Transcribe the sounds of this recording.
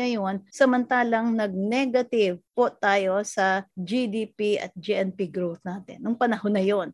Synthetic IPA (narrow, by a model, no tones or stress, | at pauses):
ɐjo̞nsɐmɐnt̪aːlɐŋnɐɡ̚nɛɡɐt̪ɪvpot̪aːjo̞sɐd͡ʒid̪iːpiɐ̰t̪̚d͡ʒiʔɛnpiɡɾowθnaːt̪ɪ̰nːɐŋpɐnɐhonɐjon